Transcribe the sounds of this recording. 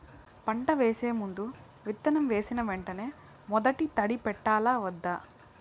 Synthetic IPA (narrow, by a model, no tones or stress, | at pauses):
pɐɳʈɐʋe̞ːse̞ːmund̪u | ʋit̪ːɐnɐmʋe̞ːsinɐʋeɳʈɐne̞ː | mɔd̪ɐʈit̪ɐɽipɛʈːaːlaːʋɐd̪ːaː